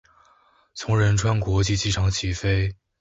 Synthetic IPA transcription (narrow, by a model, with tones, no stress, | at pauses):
t͡sʰʊ˧˥ŋɻə˧˥nʈ͡ʂʰwa˥nkwɔ˧˥t͡ɕi˥˧t͡ɕi˥˩ʈ͡ʂʰɑ˧˥ŋt͡ɕʰi˧˥fe˥ɪ